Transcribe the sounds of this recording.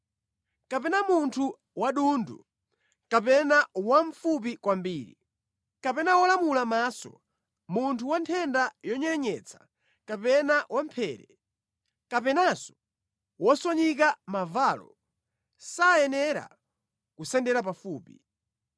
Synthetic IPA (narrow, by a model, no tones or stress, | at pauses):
kapɛnamuntʰu | waɗundṵ | kapɛnawaɱfup̬ikwambiːɾḭ | kapɛnawɔlamulamaːsɔ̰ | muntʰuwantʰɛndajɔɲɛɲɛt͡sʰḁ | kapɛnawam̩pʰɛːɾɛ | kapɛnasɔ̥ | wɔswaɲik̬amavalɔ̰ | sajɛnɛɾa̰ | kusɛndɛɾapafuːpi